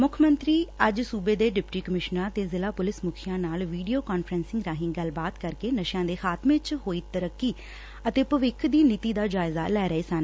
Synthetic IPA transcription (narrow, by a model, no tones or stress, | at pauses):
mʊkʰmənt̪ɾiːəd͡ʒsuːbeːd̪eːɖɪpʈiːkəmɪʃnãːt̪eːzɪlaːpʊlɪsmʊkʰɪjãːnaːlʋiːɖijoːkaːnfʰɾɛ̃ːnsɪ̃ŋɡɾaːɦɪ̃ːɡəlbaːt̪kəɾkeːnəʃjãːd̪eːxaːt̪mẽːt͡ʃɦoːiːt̪əɾəkːiː | ət̪eːpəʋɪkʰd̪iːnit̪iːd̪aːd͡ʒaːɪza̰ːlɛːɾəeːsaːn